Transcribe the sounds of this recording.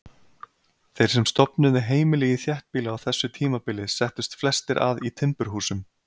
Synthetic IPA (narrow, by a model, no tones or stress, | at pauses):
θejɾ̥sɛmst̪ɔpnʏðɪɦeːjmɪlɛːjɪθjɛht̪̚piːlɪawθɛsːʏt̪ʰiːmapɪlɪsɛht̪ʏst̪flɛst̪ɪɾʔa̰ðit̪ʰɪmpʏɾ̥ɦuːsʏm